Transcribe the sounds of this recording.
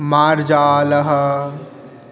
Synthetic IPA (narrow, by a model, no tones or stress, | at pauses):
maːɾd͡ʒaːlɐɦɐ